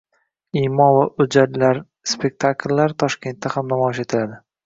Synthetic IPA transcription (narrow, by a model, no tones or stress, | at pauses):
imɒnvaʊd͡ʒad̪laɾ | spʰe̞k̚ʲt̪ʰakʲʰlːaɾt̪ʰɒʃkʲe̞nt̪ːahamnamɒɪʃe̞t̪ʰɪlad̪ɪ